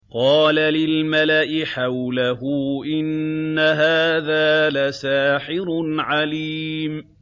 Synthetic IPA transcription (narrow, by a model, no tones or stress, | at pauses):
qɑːlalɪlmalaʔɪħawlaɦʊʔɪnːaɦaːðaːlasaːħɪɾnʕaliːm